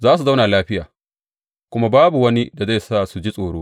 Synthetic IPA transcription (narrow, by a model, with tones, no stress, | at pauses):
zaː˦s̬u˨za˦wna˨laː˦ɸɪ˦jaː˨ | kʷʊ˦ma˦baː˦bu˨wɐ˦ni˦da˨za˦˨saː˦˨su˨d͡ʒi˦sʼoː˨ɽoː˦